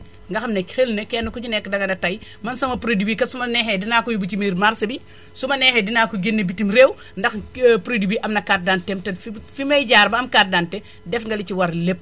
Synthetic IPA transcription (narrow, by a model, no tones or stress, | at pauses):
ŋɡɐxɐmnekxelnekɛːnɐkut͡ʃinɛkːdɐŋɡɐnɐtɐj | mɐnsɐmɐpuɾedibikɐsumɐnɛːxedinaːkujubut͡ʃimiːɾmaɾsɐbi | sumɐnɛːhedinaːkuɡinːebitimɾeːw | ndɐxpuɾedibiʔɐmnɐkat̚dantɛmtɛfifimɐjɟaːɾbɐɐmkat̚dantɛ | dɛfŋɡɐlit͡ʃiwɐɾlep̚